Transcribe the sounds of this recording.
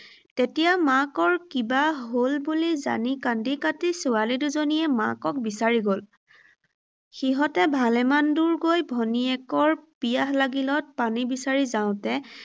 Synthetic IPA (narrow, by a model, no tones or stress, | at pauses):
tetijamakɔɹkibaɦolbuliza̰nikandikatisualiduzonijɛma̰kɔk̚bisaɹiɡol | xiɦɔtɛbʱalɛmanduɹɡojbʱɔniɛkɔɹpijaɦlaɡilɔt̚panibisaɹizaʊ̃tɛ